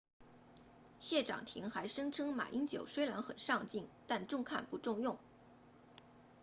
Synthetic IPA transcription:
ɕjɛ˥˩ʈ͡ʂɑ̰˨˩ŋt̪ʰi˧˥ŋxa˧˥ɪʂɤ˥ŋʈ͡ʂʰɤ˥ŋma̰˨˩ʔi˥ŋt͡ɕjo˨˩ʊʂwe˥ɪla˧˥nxə˨˩nʂɑ˥˧ŋt͡ɕi˥˩ŋt̪a˥˧nʈ͡ʂʊ˥˧ŋkʰa̰˥˩npu˧˥ʈ͡ʂʊ˥˧ŋjʊ˥˩ŋ

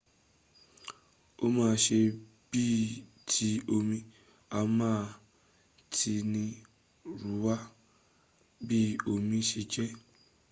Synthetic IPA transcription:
o˦mãː˦˧ʃe˧ | b̥i˦˨ | tʰi˧˦o˧mĩ˧ | a˧mãː˦˨˧ | tʰi˧nĩ˧ | ɾu˨˦wa˦ | bi˦o˧mĩ˧ʃe˧d͡ʒɛ˦

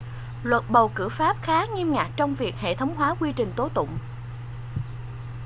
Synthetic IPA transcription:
lwə˨˩t̚ɓə˨˩wkɨ̰˧˩faː˦˥p̚xaː˨˦ŋi˧mŋaː˨˩k̚t͡ɕɔ˧wŋ͡mvi˨˩ək̚hḛ˧˨t̪ʰə˨˦wŋ͡mɦwaː˨˦kwi˧t͡ɕï˨˩ŋ̟t̪o˨˦t̪ʊ̰˧˨ŋ͡m

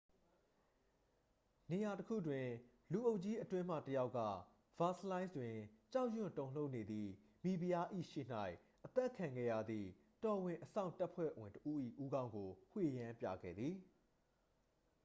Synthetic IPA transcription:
ne˨ja˨təkʰṵ˦˨dwɪ̃˨ | lu˨ʔo˦ʊʔt͡ɕi˦ʔətwɪ̃˦m̥ä̰˦˨təja˦ʊkːä̰˦˨ | v̥a˦˨slã˦ɪ̃nsdwɪ̃˨t͡ɕa˦ʊʔjʊ̰̃˨ntõ˨ʊ̃l̥o˦ʊʔne˨d̪ði˨ | mi˨bi˨ja˦ʔḭ˦˨ʃḛ˦˨n̥a˦ɪ | ʔət̪ɛ˦ʔkʰã˨ŋɡɛ̰˦˨ja̰˦˨d̪ðḭ˦˨ | tɔ˨wɪ̃˨ʔəsã̰˦˨ʊ̃nta˦pʰwɛ̰˦˨wɪ̃˨ntəʔu˦ʔḭ˦˨ʔu˦ɡã˦ʊ̃ŋɡo˨hwe˦˨jã˦mpja̰˦˨ɡɛ̰˦˨d̪ði˨

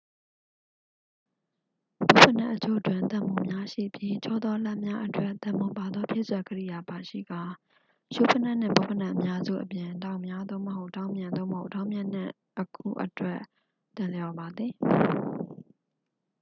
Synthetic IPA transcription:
bo˦˨pʰə˨na̰˦ʔːət͡ɕʰo̰˦˨twɪ̃˨t̪ã˦˨mu˨mja˦ʃḭ˦˨bji˦t͡ɕʰɔ˦˨d̪ɔ˦la˦ʔmja˦ʔətwɛ˦ʔt̪ã˦˨mo˨ba˨d̪ɔ˦pʰjɪ̰˦˨swa˨ɡəɹḭ˦˨ja˨ba˨ʃḭ˦˨ɡa˨ | ʃo̰˦˨pʰə˦na˦˨n̥ɪ̰̃˦˨bo˦˨pʰə˦˨nã˦ʔəmja˦zṵ˦˨ʔəpjɪ̃˨dã˦˨mja˦d̪o̰˦˨məho˦˨ʔtã˦ʊ̃mjã˨nd̪o̰˦˨məho˦˨ʔtã˦ʊ̃mjã˨n̥ɪ̰̃˦˨ | ʔəkʰṵ˦˨ʔətwɛ˦˨ʔ | t̪ɪ̃˨ljɔ˨ba˨d̪ði˨

